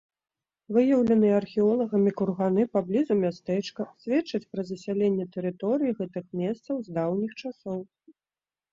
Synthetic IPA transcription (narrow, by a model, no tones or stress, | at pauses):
vɨjɐwlʲɐnɨjɛːrxʲiɔlˠɐɣɐmʲikurɣanɨpablʲizumʲast̪ɛt͡ʂkɐsʲvʲɛt͡ʂːɐt͡sʲpɾɐzɐsʲalʲenʲːɛt̪ɛɾɨt̪ɔɾɨjiɣɛt̪ɨxmʲɛst̪sɐwzd̪awnʲixt͡ʂasɔw